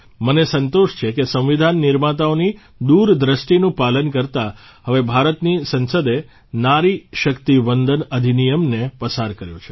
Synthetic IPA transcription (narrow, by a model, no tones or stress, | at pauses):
mənesənt̪oʃt͡ʃʰekesə̃ʋ̃ʋid̪ʱanːɪɾmat̪aoni | d̪uɾd̪ɾəʃʈinũpalənkəɾt̪a | ɦəʋebʱaɾət̪nisənsəd̪e | naɾiʃəkt̪iʋənd̪ʱənəd̪ʱinijəmnepəsaɾkəɾjo̰t͡ʃʰe̥